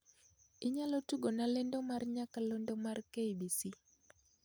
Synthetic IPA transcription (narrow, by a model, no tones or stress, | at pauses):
ɪɲalotuɡonalɛndɔmarɲakalɔndɔmarkeibisi